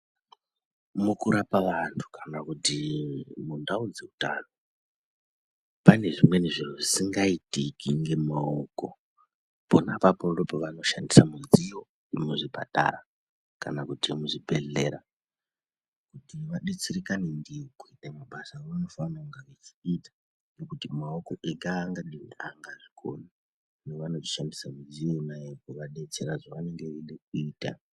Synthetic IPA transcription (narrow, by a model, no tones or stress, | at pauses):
mukuɾapaʋantʰu̥kʰanakutimundaud͡zeuta̰no | pane̞ʐimwe̞niʐir̤oʐisiŋɡaitikiŋɡe̞maoko̞̰ | ponapapodopoʋano̞ʃandisamund͡zijo̞ | imuʐipa̰ɗa̰ra | ka̰nakutimuʐibʱe̞ɮe̞ɾa | kutiʋaɗet͡sirikanindiokuitamaɓasarunofanauŋɡaʋet͡ʃi̥itḁ | nekutimaoko̞ʔeɡʱaːŋɡaɗiraŋɡaʐikʰo̰na | neʋano̞ʐiʃandisamud͡zijo̞inajekuʋaɗe̞t͡se̞ɾaʐoʋane̞ŋɡe̞ʋeɗek̚uiːta̰